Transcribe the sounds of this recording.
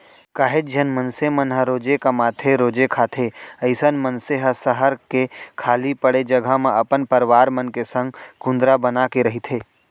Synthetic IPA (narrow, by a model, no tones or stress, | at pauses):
kaːɦed͡ʒʱɐnmənsemənɦəɾoːd͡ʒekamaːt̪ʰeɾoːd͡ʒekʰaːt̪ʰeɐɪsənmənseɦəsəɦəɾkekʰaːlipəɽed͡ʒɐɡʱamẽʔɐpənpəɾʋaːɾmənkesə̃ŋɡkʊ̃nd̪ɾabənakeɾɐɦit̪ʰeː